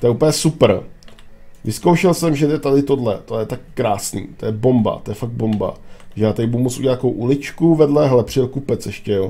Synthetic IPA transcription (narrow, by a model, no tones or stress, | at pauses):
t̪ojɛʔuːpl̩ɲɛsupr̩ | vɪskowʃɛlsɛmʒɛt̪ɛt̪adɪt̪o̞dlɛ̰t̪ojɛt̪akːɾaːsnḭːt̪o̞jɛbo̞mba̰t̪ojɛfaɡ̪̚bo̞mba̰ʒɛjaːt̪adɪbuumot͡sṵɲɛat̪ːakowʔulɪt͡ʃkuvɛdlɛɦlɛpr̥ɪɛlkupɛt͡sɛʃcɛjo